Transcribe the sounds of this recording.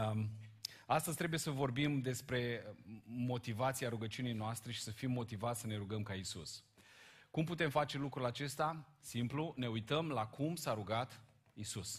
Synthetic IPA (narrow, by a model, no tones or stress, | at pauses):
ast̪əzʲt̪ɾe̞buje̞səvo̞rbimd̪e̞spɾe̞ | mo̞t̪ivat̪siaɾuɡət͡ʃiunejnoast̪ɾe̞ʃi̥səfimːo̞t̪ivat̪sʲsəne̞ɾuɡəmkaisus | kumput̪e̞mfat͡ʃe̞lukɾulat͡ʃe̞st̪asimplune̞ujt̪əmlakʰumsaɾuɡat̪ | isus